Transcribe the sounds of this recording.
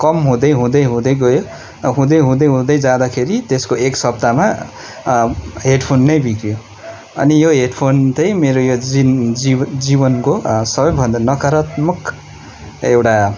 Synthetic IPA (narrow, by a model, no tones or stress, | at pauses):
kʌmɦũd̪ʌjɦũd̪ʌjɦũd̪ʌjɡʌjo | ɦũd̪ʌjɦũd̪ʌjɦũd̪ʌjd͡zad̪akʰeɾit̪eskoeksʌb̚d̪ama | ɦeɖpʰonːʌjbʱikjo | ʌ̰nijoɦeɖpʰontʌjmeɾojo | id͡zibʌnkosʌbʌjbʱʌnd̪anʌkʌɾʌt̪mʌk | ewʈa